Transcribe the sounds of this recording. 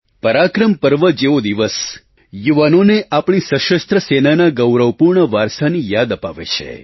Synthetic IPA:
pəɾakɾəmpəɾʋəd͡ʒeʋod̪iʋəs | juʋanoneʔapɳ̃isəʃəst̪ɾəsenanaɡəwɾəʋpuɾɳəʋaɾsanijad̪əpaʋḛt͡ʃʰḛ

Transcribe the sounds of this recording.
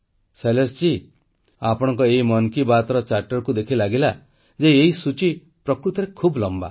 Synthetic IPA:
selest͡ʃi | apɔɽ̃ɔ̃ŋkɔeimɔnkibat̪ɔɾɔt͡ʃaɾʈɔɾkud̪ekʰilaɡila | d͡ʒeeɦisut͡ʃi | pɾɔkɾut̪ɔɾekʰublɔmba̰

